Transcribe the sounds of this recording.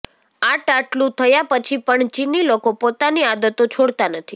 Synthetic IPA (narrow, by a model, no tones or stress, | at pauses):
aʈaʈlũt̪ʰəjapət͡ʃʰipəɳt͡ʃinːilokopot̪aniad̪ət̪ot͡ʃʰoɽt̪anət̪ʰi